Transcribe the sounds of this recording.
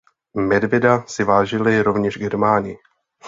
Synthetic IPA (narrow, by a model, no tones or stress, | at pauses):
mɛdvɪdasɪvaːʒɪlɪɾo̞vɲɛʒɡɛɾmaːnɪɪ